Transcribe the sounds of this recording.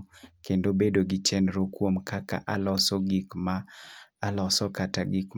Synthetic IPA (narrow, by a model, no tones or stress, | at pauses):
kendobedoɡit͡ʃɛnɾokwomkaka̰ʔalɔsɔɡikmaː | lɔsɔkataɡik